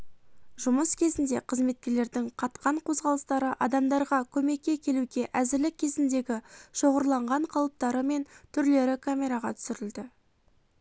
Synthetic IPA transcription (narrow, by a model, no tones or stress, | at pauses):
ʒʊməskʲʰe̞zɪnd̪e̞qʰəzme̞t̪̚kʲe̞ɾle̞ɾd̪ɪŋqʰɑt̪qɑɴqʰo̞zʁɑlˠəst̪ɑɾəʔɑd̪ɑmd̪ɑɾʁɑkʲʰɵme̞kʲːe̞kʲʰe̞luɡʲe̞ʔæzɪɾlɪkʲʰːe̞zɪnd̪e̞ɡʲɪʃo̞ʁəɾlˠɑɴʁɑɴqʰɑlˠəp̚t̪ɑɾəme̞nt̪ʰʏɾle̞ɾɪkʰamʲe̞ɾaʁɑt̪ʰʏ̥sɪɾɪld̪ɪ